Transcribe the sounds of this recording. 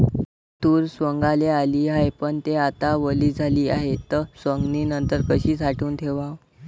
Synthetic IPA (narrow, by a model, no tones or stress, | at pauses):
t̪uːɾsʋəŋɡalealiːajpəɳt̪eat̪aʋəliːd͡zʱaliːaɦet̪əsʋəŋɡniːnənt̪əɾkəɕiːt͡saʈuːnt̪ʰeʋaʋ